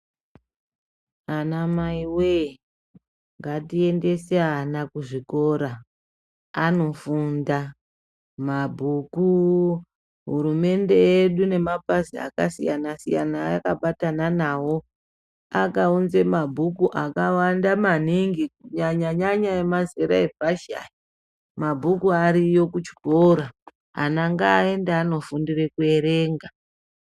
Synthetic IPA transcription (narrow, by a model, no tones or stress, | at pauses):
anamaiwe | ŋɡatie̞nde̞seanakuʐiko̞ɾa | ano̞funda | mabʱuku | ɦṵɾume̞nde̞eɗune̞mapazia̰kasijanasija̰naa̰kaɓatananaːwo̞ | akaunze̞mabʱukuʔakawandamaniŋɡikuɲaɲaɲaɲaemazeɾa̰e̞vʱaʃa̰i | mabʱukuaɾijo̞kut͡ʃi̥bʱoɾa | a̰naŋɡaːe̞ndaːno̞fundire̞kue̞ɾe̞ːŋɡa